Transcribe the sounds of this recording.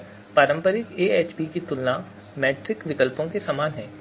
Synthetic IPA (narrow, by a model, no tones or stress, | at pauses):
paːɾə̃mpəɾɪk̪eːeːt͡ʃbikit̪ʊlnã | mɛːʈɾɪkʋɪkəlpõkesaːmaːnɦɛ̃ː